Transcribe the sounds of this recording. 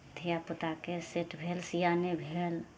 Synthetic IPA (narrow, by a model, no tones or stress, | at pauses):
t̪ʰijapʊt̪akeseʈʰbʱelsijanebʱel